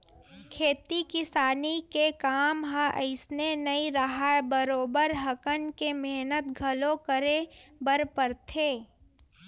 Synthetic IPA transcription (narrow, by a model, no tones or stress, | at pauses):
kʰeːt̪ikɪsaːnikekaːmɦãʔə̰ɪsnenɐĩɾɐɦaebəɾoːbəɾɦɐkənkemeɦnət̪ɡʱɐlõkəɾebəɾpəɾt̪ʰeː